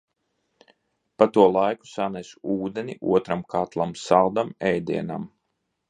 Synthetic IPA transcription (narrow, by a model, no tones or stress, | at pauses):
pat̪uɔlˠajku̥sanɛsuːd̪eniʔṵɔt̪ɾamkʰat̪lˠamsalˠd̪amɛjd̪ḭɛna̰m